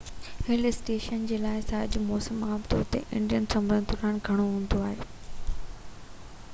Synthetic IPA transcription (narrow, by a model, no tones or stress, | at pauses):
hɪlɪsʈeːʃənd͡ʑeːlaːɪsaɐd͡ʑʊmɔːsəmːaːbd̪oʊt̪ḛʔɪ̰̃ɳɖijənsɐ̃mɾənd̪ʊɾaːnɡʱɐɽ̃oɦũːn̆d̪oaːɦeː